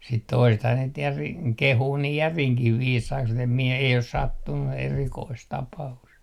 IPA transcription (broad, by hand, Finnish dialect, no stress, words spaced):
sit toisethɑː niːt jæriŋ kehuː niː jæriŋkih ʋiːsɑiks mut em mie ei os sɑtːunːu erikoist tɑpɑust